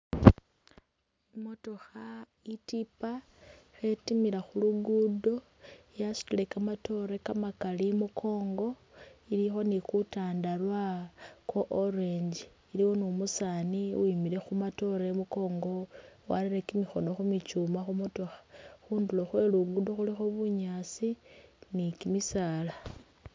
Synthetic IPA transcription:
imo̞to̞xa | itipa | xe̞timiɾaxuluɡudo̞ | jasu̥tile̞kamato̞ɾekamakalimukʰo̞ːŋɡo | ilixo̞nikutaːndalwakoʔoɾeɲd͡ʒiːliwonumusaniwimiɾe̞xumato̞ɾaemuko̞ːŋɡo̞wa̰liɾekimixo̞no̞xumit͡ʃuːmaxumutuxḁxuːnduloxwe̞luɡudo̞xulixo̞βuɲat͡sinikimisaːla

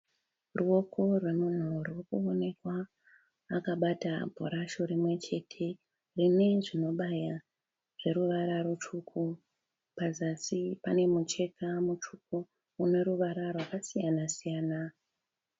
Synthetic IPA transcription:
ruo̞ko̞rwe̞mun̤urwokuone̞kwaː | kaɓata̰bʱo̰ɾaʃo̞ɾimwe̞t͡ʃe̞tʰe̞ | rine̞ʐino̞ɓaja | ʐ̥e̞ɾuʋaɾaɾut͡ʃukʰu | pazasipane̞mut͡ʃe̞kamut͡ʃuk̚uː | ne̞ɾuʋaɾarwakasijanasijaːna

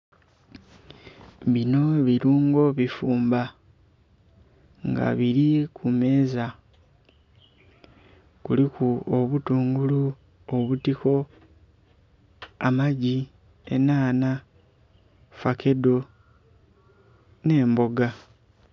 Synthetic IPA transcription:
βino̞βiɾuːŋɡo̞βifuːmba | ŋɡa̰βiɾikʰume̞ːza | kulikuoβutuːŋɡulu | oβutiko̞ | amaɟi | ḛnaːna | fake̞do̞ | ne̞ːmbo̞ɡa

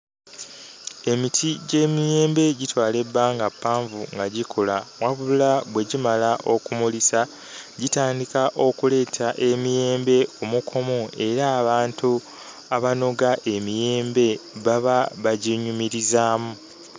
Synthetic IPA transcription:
e̞mitʰiɟe̞ːmijeːmbe̞ɟitwaːle̞bːaːŋɡapːaːɱvuŋɡaɟikʰolamwaβuulaβwe̞ɟimalaʔo̞kumulisa | ɟitaːndikaʔo̞kule̞ːtʰaʔe̞mije̞ːmbe̞omukʰo̞mo̞e̞ɾaːβaːntu | aβano̞ɡaʔe̞mije̞ːmbe̞βaβaβaɟiɲumiɾizaːmu

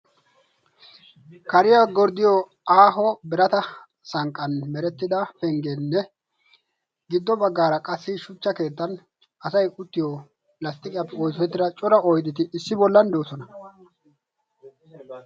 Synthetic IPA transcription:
kɐɾɪjaɡɔɾd̪ɪjɔ | aːɦɔbɛɾɐt̪ɐ | sɐŋkʼːɐnmɛɾɛt̪ːɪd̪ɐfɛŋɡenːɛ | ɡɪd̪ːɔbɐɡːaːɾɐkʼɐsːɪʃʊt͡ʃːɐke̞ːt̪ːɐn | ʔɐsɐjʔʊt̪ːɪjɔ | lɐst̪ʼɪkʼɪjapːɛɔːjsɔɛt̪ːɪɾɐt͡ʃʼʊɾɐɔjd̪ɪt̪ɪɪsːɪbɔlːɐnd̪oːsɔnɐ

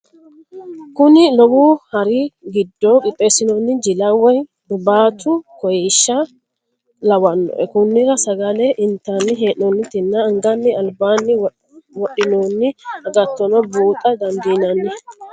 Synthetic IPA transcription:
kʊnɪlɔwuːhɐɾɪɡɪd̪ːokʼɪpʼːeːsɪnoːnːɪd͡ʒɪlɐwɐj | d̪ʊbaːt̪ʊkɔjɛʃːɐ | lɐwɐnːɔ̰ʔɛ̰kʊnːɪɾɐsɐɡɐlɛʔɪnt̪ːanːɪɦeːʔoːnːɪt̪ɪnːɐːŋɡɐnːɪɐlbaːnːɪ | wɔɗɪnoːnːɪɐɡɐt̪ːɔnɔbuːt̪ʼɐd̪ɐnd̪iːnɐnːɪ

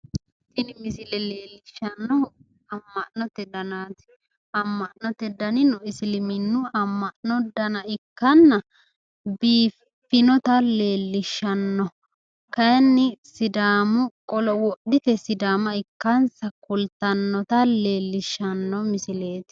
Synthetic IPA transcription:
t̪ɪnɪmɪsɪlɛle̞ːlːɪʃːɐnːɔ | ɐmːɐʔnɔt̪ːɛd̪ɐnaːt̪ɪ̥ | ɐmːɐʔnɔt̪ːɛd̪ɐnɪnɔɪsɪlɪmɪnːʊɐmːɐʔnɔd̪ɐnɐɪkːɐnːɐ | biːfː | ɪnɔt̪ɐle̞ːlːɪʃːɐnːɔ | kɐɛnːɪsɪd̪aːmʊkʼɔlɔwɔɗɪt̪ɛsɪd̪aːmɐɪkːɐnsɐkʊlt̪ɐnːɔt̪ɐle̞ːlːɪʃːɐnːɔmɪsɪle̞ːt̪ɪ

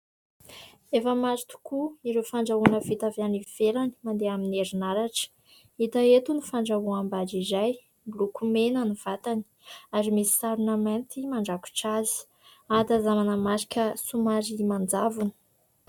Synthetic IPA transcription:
efəmazit̪u̥kuiɾefaɳɖ͡ʐaunəvit̪avjaniv̥elani̥mand̪eamineɾinaɾaʈ͡ʂə̥ | it̪aet̪unifaɳɖ͡ʐawuambad͡ʒizaj | blukumenənuv̥at̪ani̥aɾimisi̥saɾunament̪imaɳɖ͡ʐaku̥ʈ͡ʂazi̥ | ad̪azamanəmaɾi̥kʲəsumaɾimand͡zavunə̥

